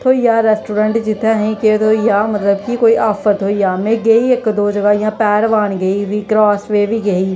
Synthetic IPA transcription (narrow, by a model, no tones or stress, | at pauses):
t̪ʰoːjaːɾɛːsʈuːɾə̃ɳʈd͡ʒɪt̪ʰaɦĩket̪ʰoːjaːmɐt̪ləbkikoːiʔaːfət̪ːojaːmẽɡeiekd̪oːd͡ʒɐɡaːjãpɛːɾʋaːnɡɐiʋiːkɾaːsʋeːʋiːɡɐiː